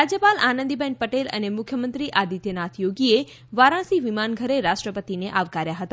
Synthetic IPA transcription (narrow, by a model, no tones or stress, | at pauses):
ɾad͡ʒjəpalanə̃nd̪ibʱɛ̃ɳʈ̚pəʈelə̰nemʊkʰjəmənt̪ɾiʔad̪it̪enat̪ʰjoɡie | ʋaɾãsiʋimanɡʱəɾeɾaʃʈɾəpət̪ineʔaʋkaɾjaɦət̪a